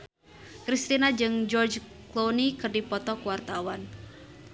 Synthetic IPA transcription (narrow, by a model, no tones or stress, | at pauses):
kɾist̪inad͡ʒɨŋd͡ʒɔrd͡ʒ | klonikɨrdipɔt̪ɔkuwart̪awan